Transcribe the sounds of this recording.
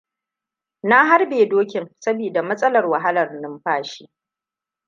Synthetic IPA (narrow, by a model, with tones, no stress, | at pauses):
na˦ɦa˦rbeː˨doː˦kʲɪ˨ŋsɐ˦biː˨da˨mɐ˦sʼɐ˦lɐ˨rwa˨ɦa˦lɐ˨rnɪ˦mɸaː˦ʃi˦